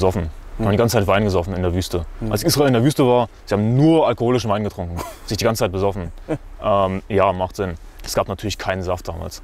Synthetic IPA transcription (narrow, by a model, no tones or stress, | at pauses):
zɔfn̩ihaːbmndiɡant͡sət͡saɪtvaɪnɡəzɔfn̩ɪndeːɐvyːstəʔʔalsʔiːsʁ̥aɪlɪndeːɐvyːstəvaːɐz̥ihaːbm̩nuːɐʔalkohoːlɪʃn̩vaɪnɡətʁ̥ʊŋkŋ̩z̥ɪçd̥iɡant͡sət͡saɪt̚bəzɔfn̩ʔɛmjaːmaχtz̥ɪnɛsɡ̥aːpnatʰyːɐlɪçkʰaɪnənzaft̚d̥aːma̰ːls